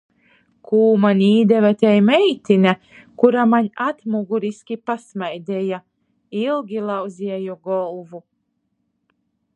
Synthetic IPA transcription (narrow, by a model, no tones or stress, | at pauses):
kʰuːmanʲiːd̪ɛvɛt̪ɛjmɛjt̪ina | kuɾamaɲʲat̪muɡuɾiskʲipasmajd̪ɛja | ilˠɡʲilˠawzʲiɛjɔɡɔlˠvu